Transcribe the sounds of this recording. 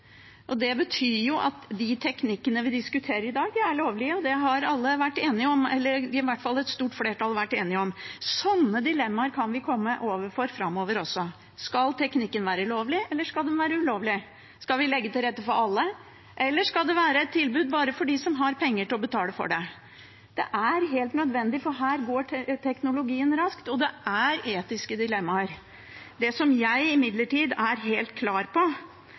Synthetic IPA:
ʔɔd̪ɛbət̪ʰyːɾjʊʔɑt̪d̪ɪt̪ʰɛknɪkːənəʋɪd̪ɪskʉt̪ʰeːɾəɾɪd̪ɑːɡ̪æɭoːʋlɪəɔd̪ɛɦɑɾɑlːəʋæʈːeːnɪɔmɛ̰lːəɾɪʋæʈːfɑlːɛt̪st̪uːʈfleːʈʰɑlʋæʈːeːnɪɔmsɔnːəd̪ɪlɛmːɑɾkʰɑnʋɪkʰɔmːəʔoːʋəɾfɔɾfɾɑmːoːʋəɾɔsːɔ | skɑlt̪ʰɛknɪkːənʋæːɾəloːʋlɪɛlːəʂkɑld̪ɛnʋæːɾəʉloːʋlɪ | skɑlʋɪlɛɡːət̪ɪlɾɛt̪ːəfɔɾɑlːə | ʔɛlːəʂkɑld̪ɛʋæːɾəɛt̪ʰːɪlbʉːd̪̚bɑːɾəfɔɖɪsɔmɦɑɾpʰɛŋːəʈɪlɔbət̪ʰɑːləfɔ̰ɖɛ | d̪̥ɛ̰ʔæɾɦeːlt̪nœd̪ʋɛnd̪ɪfɔɾɦæːɾɡoːʈ̪ʰɛknʊlʊɡiːənɾɑskt̪ɔd̪ɛʔæɾeːt̪ɪskəd̪ɪlɛmːɑɾ | d̪ɛsɔmjæɪɪmɪd̪ləʈiːd̪æɾɦeːlt̪̚kʰlɑːɾpʰɔ

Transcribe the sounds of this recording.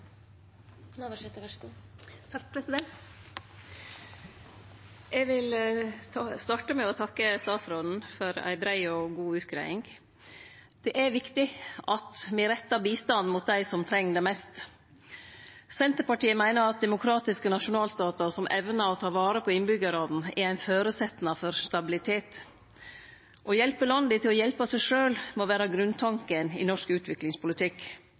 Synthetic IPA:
nʋʃɛt̪ːəɡut̪ʰɑkpʰɾɛsɪd̪ɛnt̪ | ʔɛɡʋɪlʰɑst̪ɑːʈəmɛɔt̪ʰɑkːəst̪ɑːt̪sɾɔln̩fɔɾæ̰ɪbɾæɪɔɡuːʉːt̪kʰɾæ̰ɪɪŋ | d̪̥ɛʔæʋɪkt̪ɪʔɑt̪mɪɾɛt̪ːɑbiːst̪ɑnːmʊt̪̚d̪æɪsɔmt̪ʰɾɛŋːd̪ɛmɛst̪ | sɛnt̪əɾpɑʈiːəmæɪnəɾɑt̪̚d̪ɛmʊkʰɾɑːt̪ɪskənɑʂʊnɑːlst̪ɑːt̪əɾsɔmʔɛʋnəɾɔt̪ʰɑːʋɑːɾəpʰɔɪnbʏɡəɾɑln̩ɛɾæɪnføːɾʉsɛt̪nɑfɔɾst̪ɑbɪlɪt̪ʰeːt̪ | ʔɔjɛlpəlɑnd̪ɪt̪ʰɪlɔjɛlpəsæɪʂøːlmɔʋæːɾɑɡɾʉnt̪ʰɑŋkənɪ̰nɔʂkʉːt̪ʰʋɪklɪŋspʰʊlɪt̪ʰɪk

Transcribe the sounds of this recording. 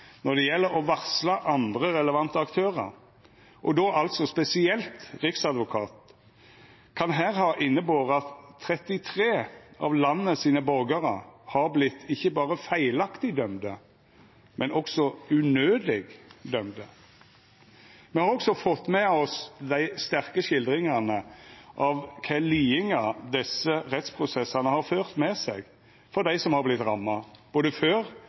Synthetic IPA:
nɔʁd̪ɛjɛlːəɾɔʋɑʁslɑʔɑnd̪ʁəɾɛləʋɑnt̪əɑkt̪ʰøːʁə̰ɾ | ʔɔd̪oːʔɑlt̪sɔspɛsɪɛlt̪ʁɪksɑd̪ʋʊkʰɑ̰ːt̪ | kʰɑnɦæːʁhɑːʔɪnːəboːʁəɑt̪ʰːɾɛt̪ɪt̪ʰʁeːʔɑ̰ʋlɑnːəsiːnəbɔʁɡəʁə̰hɑʁblɪt̪ːɪçːəbɑːʁəfæɪlɑkt̪ɪd̪œmd̪ə | mʔɛnʔɔksɔʉnøːd̪ɪɡd̪œmd̪ə | mɛhɑɾɔksɔfɔt̪ːmɛɔsd̪æɪst̪æʁkəʃɪld̪ʁɪŋɑnəʔɑʋkʰæliːɪŋɑd̪ɛsəɾɛt̪spʰʁʊsɛsɑnəhɑɾføːʁt̪mɛsɛɡ | fɔɾd̪æɪsɔmhɑɾblɪt̪ɾɑmːɑb̥oːd̪əføːɾ

